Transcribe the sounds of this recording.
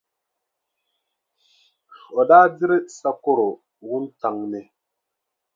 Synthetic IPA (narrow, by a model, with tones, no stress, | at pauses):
ɔ˨daː˦di˦ɾe˦sa˦ko˦ɾo˨ | wu˦n˦ta˨ŋne˨